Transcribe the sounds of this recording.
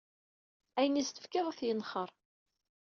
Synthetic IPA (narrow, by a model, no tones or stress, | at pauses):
æjənist̪ə̥fkɪðˤæθjənχəɾˤ